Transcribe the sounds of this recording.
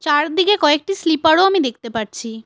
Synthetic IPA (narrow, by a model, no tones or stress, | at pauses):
t͡ɕaɾd̪ikekɔek̚ʈislipaɽoamid̪ek̚ʰt̪epaɾt͡ɕʰi